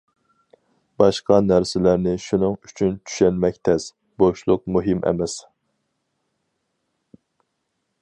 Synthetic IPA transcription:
b̥ɑʃqɑnæɾsɪlæɾnɪʃunɨŋyt͡ʃʰynt͡ʃʰy̥ʃɛnmɛkʲt̪ʰɛs | boʃlˠʊq̚muɦɪmʔɛ̰mɛs

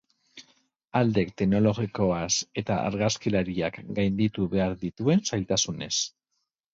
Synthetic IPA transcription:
ald̪e̞kt̪e̞no̞lo̞ɣiko̞ase̞t̪aʔa̰ɾɣaskilaɾiakɡajnd̪it̪uβe̞aɾðit̪ue̞nsajt̪asune̞̰s

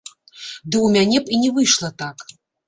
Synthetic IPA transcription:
d̪ɨumʲanʲɛpinʲɛvɨʂlˠɐt̪ak

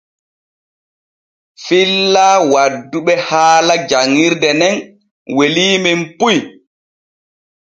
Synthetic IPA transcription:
filːaːwadːuɓɛhaːlad͡ʒaŋːiɾdɛnɛn | weliːmɛmpuj

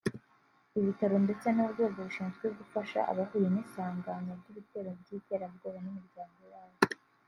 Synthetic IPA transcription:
iβitaɾo̞nde̞t͡se̞nubɟoːɡo̞βuʃiːnzɡweɡufaʃa̰ʔa̰βahujenisaːŋɡaɲoɾɟiβite̞ːɾobɟiːte̞ːɾabɡoːβanimiɾɟaːŋɡo̞jaːwo

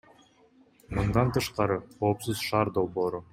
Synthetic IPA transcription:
mɯnd̪ɑnt̪ɯʃqɑɾɯqʰo̞ːpsuzʃɑːɾd̪o̞lˠbo̞ːɾu

